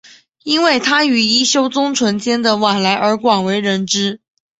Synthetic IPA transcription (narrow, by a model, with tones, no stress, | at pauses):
i˥nwe˥˩ɪt̪ʰa˥y˨˩i˥ɕjo˥ʊt͡sʊ˥ŋt͡sʰwə˧˥nt͡ɕjɛ˥nd̪ə˨wa˨˩nla˧˥ɪʔə˞˧˥kwɑ˨˩nwe˧˥ɪɻə˧˥nʈ͡ʂɻ̩˥